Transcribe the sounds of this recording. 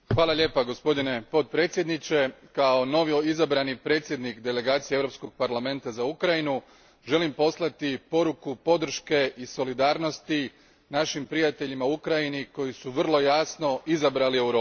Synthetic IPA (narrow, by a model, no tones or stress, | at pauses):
xʋaːlˠaʎʲe̞ːpaɡo̞spo̞d̪ine̞po̞t̪̚pɾe̞ːt̪sje̞d̪nit͡ɕe̞kao̞no̞ʋjoizabɾanipɾe̞ːt̪sʲjed̪nikd̪e̞le̞ɡaːt̪sijeeʋɾo̞psko̞ɡ̚paɾlame̞nt̪azaukɾajinu | ʒe̞limpo̞slˠat̪ipo̞ɾukupo̞d̪r̩ʃke̞ʔiso̞lid̪aːɾno̞st̪i | naʃimpɾijat̪e̞ʎimaukɾajiniko̞jisuʋr̩lˠo̞jaːsno̞izabɾalie̞wɾoː